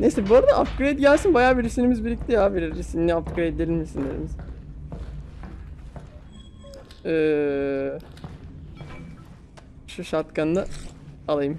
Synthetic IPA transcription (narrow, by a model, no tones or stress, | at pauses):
nejsɛbuɾad̪aʔa̰ft̪ɡɾejd̪ɟælʲsinbajaːbiɾisinimizbilʲiclʲijabiɾisinʲiaft̪ɡɾejd̪d̪ʲelʲinmisind̪eɾḭmiz̥ | ɛː | ʃuʃat̪kʰannˠaalˠajɯm